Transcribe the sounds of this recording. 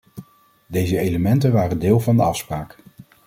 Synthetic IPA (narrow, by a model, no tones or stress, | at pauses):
dejzəejləmɛntənʋaːrəndɪːlˠvɑndəɑfspraːk